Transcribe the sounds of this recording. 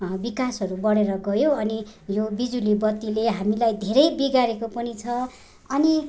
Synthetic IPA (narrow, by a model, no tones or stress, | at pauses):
bikasɦʌɾubʌɽeɾʌɡʌjoʌnijobid͡zulibʌt̪ːileɦamilajd̪ʱeɾʌjbiɡaɾekopʌnit͡sʰʌ | ʌni